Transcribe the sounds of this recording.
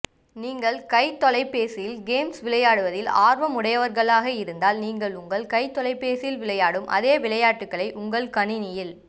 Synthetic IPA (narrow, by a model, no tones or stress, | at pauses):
niːŋɡɐɭkɐɪt̪ːɔlɐɪpːeːsɪjɪlɡeːmsʋɪlɐjaːɽɯʋɐðɪlaːɾʋɐmʊɽɐjɐʋɐɾɣɐɭaːɣɐɪɾɯnd̪aːlniːŋɡɐɭʊŋɡɐɭkɐɪt̪ːɔlɐɪpːeːsɪjɪlʋɪɭɐjaːɽɯmʔɐ̰ðeːʋɪɭɐjaːʈːɯkːɐɭɐɪʔʊŋɡɐɭkɐnɪnɪjɪl